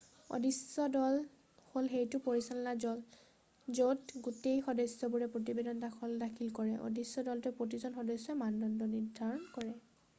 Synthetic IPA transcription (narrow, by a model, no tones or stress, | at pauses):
o̰disɔdɔl | holxejtʊpoɹisalɔnazɔl | zotɡutejxɔdɔjsɔbuɹɛpɹot̬ibedɔntakʰɔldakʰilkɔɹɛʔo̰disːɔdɔltupɹot̬izɔnxɔdɔjsːɔmandɔndɔniɹdʱaɹɔnkɔɹɛ